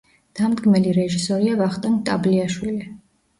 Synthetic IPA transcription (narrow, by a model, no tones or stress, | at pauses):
d̪̥amd̪ɡmɛliɾɛʒisɔɾiavaχt̪ʼant̪ʼabliaʃwili